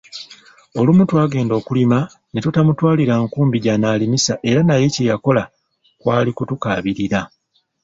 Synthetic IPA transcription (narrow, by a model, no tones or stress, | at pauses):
o̞lumutwaːɡe̞ːndo̞ːkulima | netutamutwaːliɾaŋkuːmbiɟanaːlimisaʔe̞ɾanaje̞cejako̞la | kwaːlikutukaːβiɾiɾa